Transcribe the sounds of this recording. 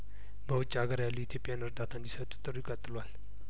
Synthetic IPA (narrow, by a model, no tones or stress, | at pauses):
bəwʊt͡ʃʼːaɡəɾjalːuit̪ʰjopʼijanɨɾd̪at̪ʰand̪isət̪ʼːu̥t̪ʼɨɾujɪkʼːət̪ʼːɨlwal